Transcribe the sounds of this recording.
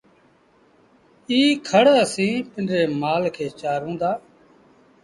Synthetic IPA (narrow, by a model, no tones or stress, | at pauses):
iːkʰəɽaːsĩːpɪɳɾeːmaːlkʰeːt͡ʃaːɾũːnd̪aː